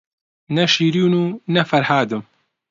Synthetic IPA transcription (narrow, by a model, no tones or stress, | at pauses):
nɐʃiːɾuːnuːnɐfɐɾhaːd̪um